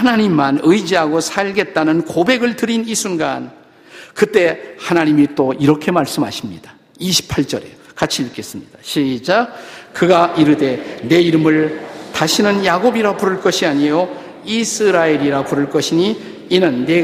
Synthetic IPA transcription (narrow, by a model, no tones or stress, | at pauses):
hanaɲimːanɯjd͡ʑiɦaɡosʰaɭɡe̞t̚t͈anɯnkobe̞ɡɯɭtɯɾinisʰunɡan | kɯt͈e̞hanaɲimit͈oiɾʌkʰe̞maɭs͈ɯmɦa̰ɕʰimɲid̥a | iɕʰi̥pʰaɭt͡ɕ͈ʌɾekat͡ɕʰiɯk͈e̞s͈ɯmɲid̥aɕʰid͡ʑakɯɡaʔiɾɯde̞ne̞iɾɯmɯɭtaɕʰinɯnjaɡobiɾapuɾɯɭk͈ʌɕʰiaɲijo | isʰɯɾaeɾiɾapuɾɯɭk͈ʌɕʰiɲiː | nɯnːe